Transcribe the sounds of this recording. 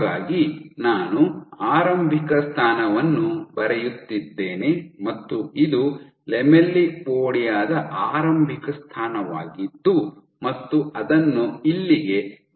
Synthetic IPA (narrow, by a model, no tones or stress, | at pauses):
ɡaːɡinaːnuaːɾɐmbʱikɐst̪ʰaːnɐʋɐnːubɐɾɛjut̪ːid̪ːe̞ːne̞mɐt̪ːuid̪u | lɛmelːioːɽijaːd̪ɐʔaːɾɐmbʱikɐst̪ʰaːnɐʋa̰ːɡid̪ːu | mɐt̪ːuʔɐd̪ɐnːuilːiɡe̞